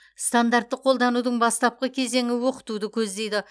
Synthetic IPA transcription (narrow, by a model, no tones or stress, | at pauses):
st̪and̪art̪ːɪqʰo̞lˠd̪ɑnud̪əɴbɑst̪ɑp̚qəkʲʰe̞ze̞ŋɪwo̞qə̥t̪ud̪əkʲʰɵzd̪e̞jd̪ɪ